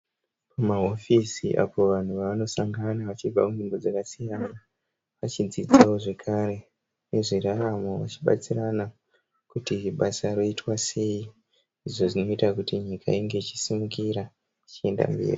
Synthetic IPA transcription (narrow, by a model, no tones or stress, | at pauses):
pamaɦo̞fisḭʔa̰po̞ʋan̤uʋaʋano̞saŋɡanaʋat͡ʃivakuninbo̞d͡zakasijana | ʋat͡ʃid͡zid͡zawo̞ʐe̞kʰaɾe̞ | neʐiɾaɾamo̞ʋa̰t͡ʃiɓa̰t͡siɾana | kutiɓasaɾo̞itwase̞i | iʐo̞ʐino̞itakutiɲikʰa̰iŋɡe̞it͡ʃi̥sumukiɾa | it͡ʃie̞nda̰mbe̞̰ri